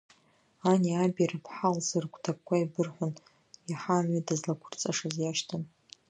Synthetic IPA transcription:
aniabaɾapʰħalzɨrɡʷʰʼtʰap̚kʷʰʼaibɨrħʷʊn | jaħamɥidazlakʷʰʊrt͡sʼaʂazjaʃtʰan

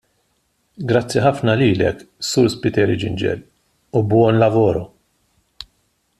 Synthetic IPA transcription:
ɡɾɐt͡sːiħɐfnɐliːlɛ̰kːsʊɾspɪt̪ɛːɾid͡ʒɪ̰nd͡ʒɛ̰l | ubwɔnlɐvɔːɾɔ

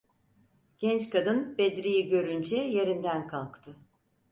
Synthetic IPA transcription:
ɟ̥ɛnt͡ʃkʰad̪ɯnbed̪ɾijiɟø̞ɾynd͡ʒɛje̞ɾind̪ænkʰalˠkt̪ʰɯ

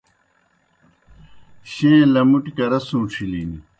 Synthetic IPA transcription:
ɕẽːlɐmuʈikɐɾɐsũːʈ͡ʂʰiliːni

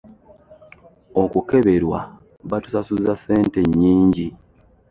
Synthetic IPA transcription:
o̞kuke̞βe̞ɾwa̰ | βatu̥sasuzase̞ːnte̞ɲːiːɲɟi

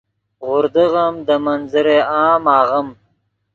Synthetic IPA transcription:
ɣʊɾd̪əɣamd̪əmanzəɾeɑːmɑːɣəm

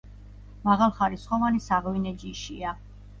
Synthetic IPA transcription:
maʁalˠχaɾisχɔvanisaʁvinɛd͡ʒiʃia

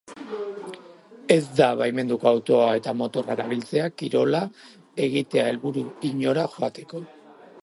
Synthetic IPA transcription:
e̞zd̪aβajme̞nd̪ukoawt̪o̞ae̞t̪amo̞t̪o̞raɾaβilt͡se̞akiɾo̞la | e̞ɣ̞it̪e̞ae̞lβuɾuiɲo̞ɾaʝoat̪e̞ko̞

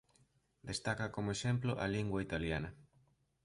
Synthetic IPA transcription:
d̪est̪akɐkomoeʃemploʔɐliŋɡwait̪aljanɐ

